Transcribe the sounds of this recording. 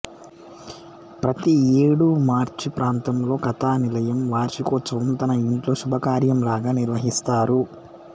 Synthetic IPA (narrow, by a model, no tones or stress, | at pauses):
pɾɐt̪ieːɽumaːɾt͡ʃipɾaːnt̪ɐmlo̞ːkɐt̪aːnilɐjɐmʋaːɾt͡ʃikɔt͡ʃːɐnt̪ɐnɐiɳʈlo̞ːʃubʱɐkaːɾjɐmlaːɡaːniɾʋɐɦist̪aːɾu